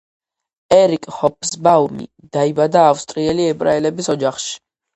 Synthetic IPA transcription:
ɛɾikʼhɔp̚ʼʰsbaumḭ | d̪̥aibad̪aːfst̪ʼɾiɛliɛbʼɾaɛlɛbisɔd͡ʒaχʃi̥

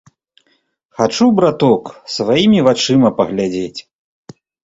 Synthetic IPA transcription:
xat͡ʂubɾat̪ɔksvajimʲivat͡ʂɨmɐpɐɣlʲad͡zʲet͡sʲ

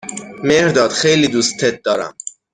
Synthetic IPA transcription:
meɾd̪ɒːd̪̥xejlid̪uːst̪ʰːet̪̚d̪ɒːɾæ̰m

